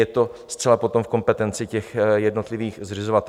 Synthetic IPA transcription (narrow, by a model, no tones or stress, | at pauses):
jɛt̪o̞st̪t͡sɛlapo̞t̪omfko̞mpɛt̪ɛnt͡sɪcɛxjɛdno̞t̪lɪviːxzrɪzovat̪ɛ